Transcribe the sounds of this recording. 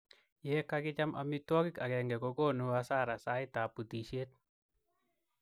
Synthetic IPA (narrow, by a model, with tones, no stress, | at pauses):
je˦kakɪ˦t͡ʃa˦mʔa̰˨mit̪wɔ˦ki˦ka˨kɛ˨ŋɡɛ˨kɔ˦ɡo˦˨nu˨wasa˦˨ɾa˨sa˦i˦t̪a˨pu˨t̪i˨ʃe˦t̪̚